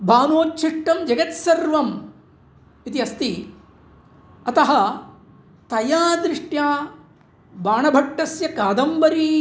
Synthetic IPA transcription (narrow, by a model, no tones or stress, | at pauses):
bʱaːnoːtːʃʰiʂʈɐmd͡ʒɐɡɐt̪sɐɾʋɐm | it̪iɐst̪i | ɐt̪ɐɦɐ | t̪ɐjaːd̪ɾɪʂʈjaː | baːɳɐbʱɐʈːɐsjɐkaːd̪ɐmbɐɾi